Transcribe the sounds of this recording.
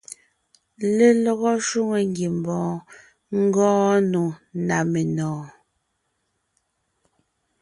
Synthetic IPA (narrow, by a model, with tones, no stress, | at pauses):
le˦˨lɔ˨ɣɔ˦ʃu˦ŋe˨ŋɡje˨m˨bɔ̃ː˨ | ŋ̩˦ɡɔ̃ː˦nu˨na˨me˨nɔ̃ː˨